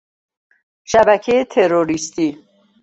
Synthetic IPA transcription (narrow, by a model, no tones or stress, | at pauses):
ʃæbæcʰejet̪ʰeɾoɾist̪iː